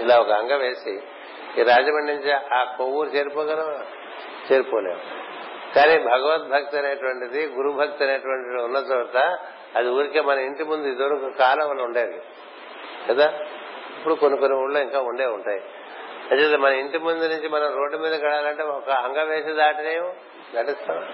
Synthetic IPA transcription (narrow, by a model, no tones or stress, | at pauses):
ilaːɔkɐɦɐŋɡɐʋeːsi | ɾaːd͡ʒɐmɐɳɖinuɲt͡ʃiʔaːkowuːɾt͡ʃe̞ːɾipɔːkɐnɐ | t͡ʃe̞ːɾipoːleːʋṵ | kaːnibʱɐɡɐʋɐt̪̚bʱɐk̚t̪ɐneːʈuʋɐɳʈid̪iɡuɾubʱɐk̚t̪ɐneːʈuʋɐɳʈidiunːɐt̪ɐt̪ɐ | ɐd̪iuːɾikeːmɐnɐiɳʈimund̪uid̪ɐɾukukaːlɐʋɐlːɐuɳɖeːɾḭ | kɐd̪aː | ipːuɽukonikoniuːɽloːiŋkaːuɳɖeːuɳʈaːji | ɐʈed̪imɐnɐiɳʈimund̪unuɲt͡ʃimɐnɐmɾo̞ːɖːumiːd̪ɐkɐɽaːlɐɳʈe̞ːɔkɐɦɐŋɡɐʋɛːʃɐd̪aːʈineːmu | d̪aːʈist̪aːnṵ